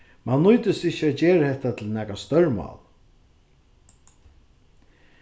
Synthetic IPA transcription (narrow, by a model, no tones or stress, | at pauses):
manːʊjt̪ɪsɪht͡ʃːæt̪̚d͡ʒeːɾəhɛht̪at̪ʰɪlnæːkast̪œɹmɑ̰ːl